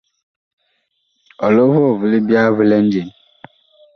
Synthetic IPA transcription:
ɔ˨lo˦vʊ˦ɔ˨vʊ˨lɪ˦bja˦vʊ˨˦le˦n̩˦d͡ʒe˨n˦

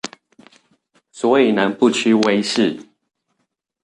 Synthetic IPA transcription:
swɔ˨˦i˨˩na˨˦npu˥˨t͡ɕʰy˥˦we˦ɪʂɻ̩˥˨

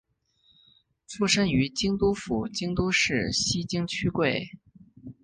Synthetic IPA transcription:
ʈ͡ʂʰu˥ʂə˥ŋy˧˥t͡ɕi˥ŋt̪u˥fu˨˩t͡ɕi˥ŋt̪u˥ʂɻ̩˥˩ɕi˥t͡ɕi˥ŋt͡ɕʰy˥kwe˥˩ɪ

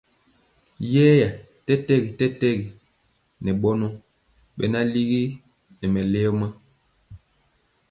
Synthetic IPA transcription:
jɛː˦ja˨ | tɛ˦tɛ˦ɡi˨tɛ˦tɛ˦ɡi˨ | nɛ˨ɓɔ˦nɔ˦ | ɓɛ̰˦na˦li˦ɣi˦ | nɛ˨mɛ˨lɛ˦ɔ˦ma˦

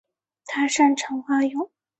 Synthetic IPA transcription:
t̪ʰa˥ʂa˥˩nʈ͡ʂʰɤ˧˥ŋxa˥˩jʊ˨˩˦ŋ

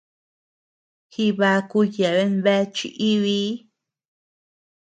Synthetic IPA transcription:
xi˧βa˧˦ku˧je˨βe˧˦nβe˦t͡ʃḭ˧ʔi˦βi˦

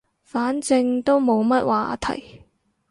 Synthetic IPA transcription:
faː˨˥nt͡sɪ˧ŋt̪o˥wmo˨˧wmɐ˥t̚wʔa̰ː˧t̪ʰɐ̰˨˩j

